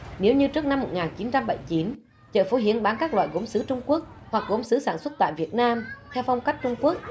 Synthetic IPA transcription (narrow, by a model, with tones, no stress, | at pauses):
ne˨˦wɲɨ˧t͡ɕɨ˦˥ək̚na˧mːo˨˩t̚ŋaː˨˩nt͡ɕi˨˦nt͡ɕa˧mɓə̰˧˩˨jt͡ɕi˨˦n | t͡ɕə̰ː˧˨˩fo˨˦ɦḭ˧˩˨ənɓaː˨˦nkaː˦˥k̚lwa̰ː˧˨jɣo˨˦msɨ˨˦t͡ɕʊ˧ŋ͡mku˦˥ək̚ | hwa˨˩k̚ɣo˨˦msɨ˨˦saː˧˩nswə˦˥t̚t̪a̰ː˧˨jvi˨˩ət̚naː˧mt̪ʰɛ˧wfa˧wŋ͡mka˦˥jk̚t͡ɕʊ˧ŋ͡mku˦˥ək̚